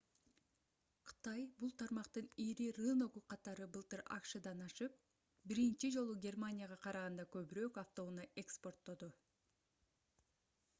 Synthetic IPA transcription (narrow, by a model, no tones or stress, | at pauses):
qʰɯ̥t̪ɑjbulˠt̪ʰɑɾmɑqt̪ɯniɾiɾɯno̞ɣuqʰɑt̪ɑɾɯbɯlˠt̪ɯɾɑ̰kʃɨd̪ɑnɑʃɯp̚ | biɾint͡ʃid͡ʒo̞lˠuɡʲe̞rmanʲijaʁɑqʰɑɾɑʁɑnd̪ɑkø̞βyɾøːkɑft̪o̞unɑʔe̞kspo̞rt̪ːo̞d̪u